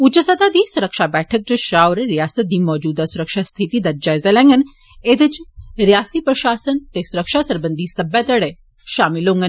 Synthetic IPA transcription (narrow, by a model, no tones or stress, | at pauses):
ut͡ʃɐsat̪aːd̪iːsʊɾəkʃaːbɛːʈʰək̚d͡ʒɐʃaːʋɾɾijaːsət̪̚d̪iːmɔːd͡ʒuːd̪asʊɾəkʃast̪ʰit̪iːd̪ɐd͡ʒaːjzalɛ̃ːŋɡən | ed̪ət͡ʃɾijaːst̪iːpɾɐʃaːsənt̪esʊɾəkʃaːsɐɾbənd̪isɐbɛt̪ɐɽe | ʃaːmilõŋɡən